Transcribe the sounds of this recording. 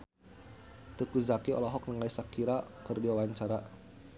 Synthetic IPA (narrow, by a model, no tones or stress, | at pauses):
t̪əkuzakiɔ̰lɔɦɔk̚nəŋaisakiɾakərdiwawaɲt͡ʃaɾa